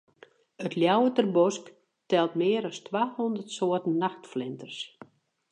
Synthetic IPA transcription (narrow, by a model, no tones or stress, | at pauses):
ətljawətərbɔsk | tɛlˠtmɪːəɾɔstʋaːhɔndərtsoətn̩ːaxtflɪntərs